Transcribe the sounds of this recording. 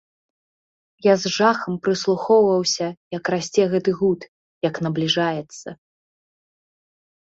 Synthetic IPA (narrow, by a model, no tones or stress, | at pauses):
jazʐaxɐmpɾɨslˠuxɔwvɐwsʲɐjɐkrasʲt͡sʲɛɣɛt̪ɨɣut̪ | jɐkn̪ɐblʲiʐajɛt̪sːɐ